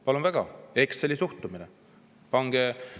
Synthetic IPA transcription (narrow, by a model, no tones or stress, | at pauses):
pɑlunvæɡ̥ɑe̞kselʲisuht̪umine | pɑŋɡ̥e